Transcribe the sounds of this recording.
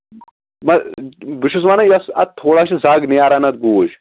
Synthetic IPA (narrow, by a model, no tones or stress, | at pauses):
mɐbiʃus̬maːnɐjɐsɐ̰t̪̚t̪ʰːoːɽaʃizaːɡnijaːɾɐnɐt̪̚ɡuːʃ